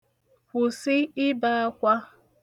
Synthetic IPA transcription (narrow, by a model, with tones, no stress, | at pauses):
hʷʊ˨sɪ˦ɪ˦ba˦a˦kʷa˦